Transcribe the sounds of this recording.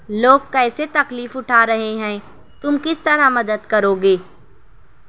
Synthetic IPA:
loːɡ̚kɛːset̪ɐkliːfʊʈʰaːɾɐɦeɦɛ̃ː | t̪ʊmkɪst̪ɐɾamɐd̪əd̪kɐɾoːɡeː

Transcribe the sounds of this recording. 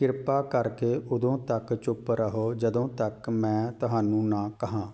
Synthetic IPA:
kɪɾpaːkəɾkeːʔʊd̪õːt̪əkt͡ʃʊpɾəɦoːd͡ʒəd̪õːt̪əkmɛ̃ːt̪ʊɦaːnũːnãːkəɦãː

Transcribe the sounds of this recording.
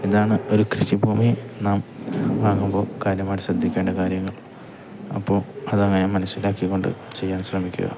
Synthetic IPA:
iðaːɳɨo̞ɾukrɨɕibʱuːminaːmʋaːŋːumbo̞ːkaːɾjɐmaːjʈɕrɐd̪ʱːikʲːe̞ːɳɖɐkaːɾjɐŋːɐɭ | ɐ̰pːo̞ːɐðɐŋːɐnemɐnɐsːilaːkːikːo̞ɳɖɨ̰ | t͡ɕe̞jːaːnɕrɐmikʲːṵɣɐ̰

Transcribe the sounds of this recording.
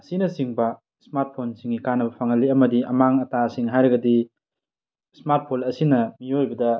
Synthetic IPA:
ɐsinɐsiŋbɐ | smaɾt̚pʰonsiŋːikanɐbɐpʰaŋɐlːiɐmɐdiʔɐmaŋɐtasiŋɦajɾɐɡɐdi | smaɾt̚pʰonɐsinɐmiojbɐdɐ

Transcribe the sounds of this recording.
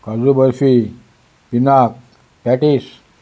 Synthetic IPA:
kad͡zubəɾfi | pinak̚ | pɛʈis

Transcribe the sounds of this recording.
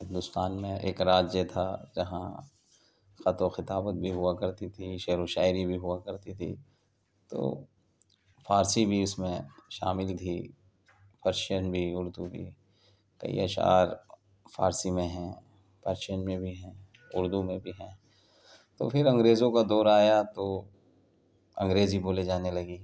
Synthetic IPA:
ɦɪ̃nd̪ʊst̪aːnmẽʔḛːkɾaːd͡ʒjət̪ʰad͡ʒɐɦã | xɐt̪oxɪt̪aːbət̪̚bʱiɦʊakɐɾt̪it̪ʰiʃeːɾoʃaːɪɾibʱiɦʊakɐɾt̪it̪ʰḭ | t̪o̰ː | faːɾsibʱiʊsmẽʃaːmɪlt̪ʰiː | pʰɐɾʃənbʱiʊɾd̪ubʱḭ | kɐ̰ḭa̰ʃa̰ːɾ | faːɾsimẽɦɛ̃ː | pɐɾʃənmẽbʱiɦɛ̃ː | ʊɾd̪umẽbʱiɦɛ̃ː | t̪o̰pʰɪɾɐ̃ŋɡɾeːzõkad̪ɔːɾaːjat̪o | ɐ̃ŋɡɾeːziboːled͡ʒaːnelɐɡiː

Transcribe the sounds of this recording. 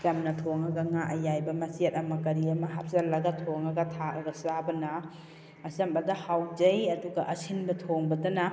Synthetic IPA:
kamnɐtʰoŋɐɡɐŋaʔɐjajbɐmɐsiɐtɐmɐkɐɾiɐmɐɦa̰p̚sɐlɐɡɐtʰoŋɐɡɐtʰaɐɡɐsabɐnɐː | sɐmbɐdɐhawd͡ʒɐjɐduɡɐʔɐsinbɐtʰoŋbɐdɐnɐ

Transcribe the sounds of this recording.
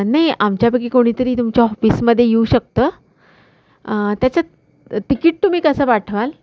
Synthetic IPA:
najamt͡ɕjapək̬ikoɽ̃it̪əɾiːt̪umt͡ɕjaɔfiːsməd̪ʱːjejeuɕək̚t̪əː | t̪jat͡ɕa | t̪ikiːʈ̚t̪um̤iːkəsəːpaʈʰʋal

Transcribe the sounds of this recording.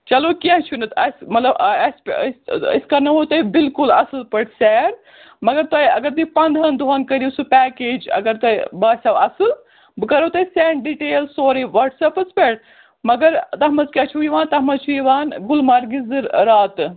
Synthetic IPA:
t͡ʃɐlokiãɦt͡ʃʰunɨt̪ʰɐsmɐt̪lɐbɐspsɐskɐɾnɐot̪ɐjbilkulɐsɨlpɐʈsɛːɾ | mɐɡɐɾt̪ɐjɐɡɐɾd̪ipɐnd̪ʱɐnd̪ɐnkɐɾisupɛːkeːd͡ʒɐ̰ɡɐɾt̪ɐibaːsʲɐwɐsɨl | bɨkɐɾoːt̪ɐisɛːɳɖɖiʈeːlsoːɾiʋɐʈsɐpɨspeʈ | mɐɡɐɾt̪ɐɦmɐzkʲɐt͡ʃʰuiʋaːnt̪ɐɦmɐzt͡ʃʰuiʋaːnɡulmaɾɡizɨɾɾaːt̪

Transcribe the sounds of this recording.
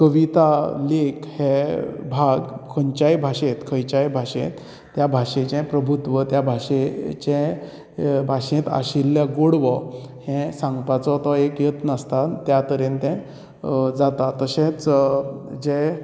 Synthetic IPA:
kəʋit̪alekhɛ̃bʱaɡkʰəɲt͡ɕajbʱaɕet̪kʰə̃jt͡ɕajbʱaɕḛ̃t̪ː | jabʱaʂẽt͡ɕɛ̃pɾəbʱut̪ʋət̪jabʱaɕet͡ɕɛ̃ | bʱaɕẽt̪a̰ɕilːjaɡoɽʋɔhɛ̃sãŋɡpat͡sɔt̪ɔekjet̪nəst̪at̪jat̪əɾent̪ɛ̃ | d͡zat̪at̪əɕẽt͡s | d͡ʑe

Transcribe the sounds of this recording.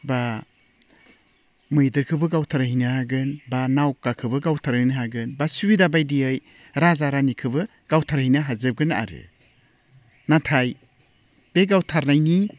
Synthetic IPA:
ba | mɯjdɯɾkʰɯbɯɡawtʰaɾahinɯhaɡɯnbanawkːakʰɯbɯɡawtʰaɾnɯɦaɡɯnbasubidabajdiɯj | ɾazaɾanikʰɯbɯ | ɡ̥awtʰaɾhinaɦazɯb̚ɡɯna̰ɾɯ̰ | natʰaj | b̥eɡawtʰaɾnajni

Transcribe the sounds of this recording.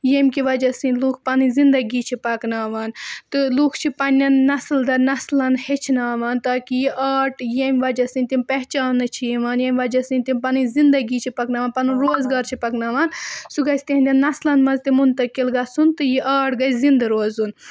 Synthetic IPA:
jemʲkiʋɐd͡ʒɐsɨnluːkʰpɐnɨzind̪ɐɡiːt͡ʃʰipɐknaːʋaːnt̪ɨluːkʰt͡ʃʰipɐnʲːɐnːɐsld̪ɐnɐslɐnhet͡ʃʰnaːʋaːnt̪aːkijiʔaːʈjemʲʋɐd͡ʒɐsɨnʲt̪impɐɦt͡ʃaːnːɨt͡ʃʰijiʋaːnjemʲʋɐd͡ʒɐsɨ̃nʲt̪impɐnɨzind̪ɐɡiːt͡ʃʰipɐknaːʋaːnpɐnunɾoːzɡaːɾt͡ʃʰipɐknaːʋaːnsuɡɐsʲt̪enʲd̪ʲɐnːɐslɐnmɐzt̪imunt̪ɐkilɡɐsunt̪ɨjiʔaːʈɡɐszind̪ɐɾoːzun

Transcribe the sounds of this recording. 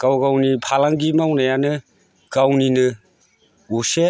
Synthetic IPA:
kawɡawnipʰalaŋɡimawnajanɯ | kawninɯ | use

